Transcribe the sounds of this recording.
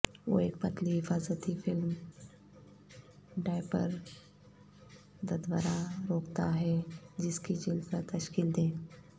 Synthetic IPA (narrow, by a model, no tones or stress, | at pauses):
ʋo̰ḛːk̚pɐt̪ʰliɦɪfaːzət̪ifɪlm | ɖaːɪpə̰ɾ | d̪ɐd̪ʋaɾaɾoːkt̪aɦɛd͡ʒɪskid͡ʒɪlpəɾt̪ɐʃkiːld̪ẽː